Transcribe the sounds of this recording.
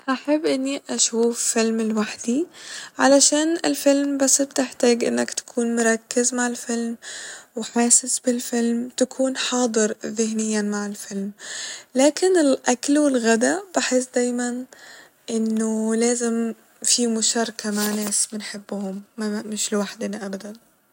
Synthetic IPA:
ʔaħabːʔɪnːiʔaʃuːfːɪlmɪlwaħd̪̥iʕalaʃaːnɪ̰lfɪlmbasːb̚t̪ɪħt̪aːɡʔɪ̰nːakt̪ḁkʰuːnmʊɾˤɑkːɪzmaʕɪlfɪlmwɪħaːsɪsbɪlfɪlmt̪akʰuːnħɑːd̪ˤɨɾðɪhnɪjːamaʕɪlfɪlmlaːkɪnɪlʔaklwɪlɣad̪ab̥ɪħɪs̬ːd̪aːjman | ʔɪnːʊlaːzɪm | fimʊʃɑːɾˤkʰamaʕnaːsmɪnħɪbːʊhʊmːamɪʃlɪwaħd̪ɪnʔabad̪an

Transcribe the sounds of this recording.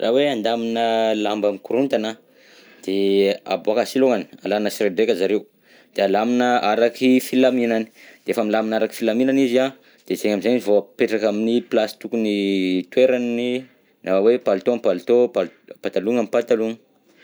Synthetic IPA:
rʔa̰weand̪aminəlambamikuɾunt̪ana | d̪̥ea̰boakasiloŋani̥a̰lanəsredekʲazaɾeu | d̪̥ealaminəʔaɾakifilaminani̥d̪̥eefəmilaminaɾaki̥filaminanizia | d̪̥ezeɲamizaɲivopeʈ͡ʂakaminiplasi̥t̪ukunit̪weɾani | naawepalut̪oampalut̪opalpat̪aluŋamipat̪aluŋə

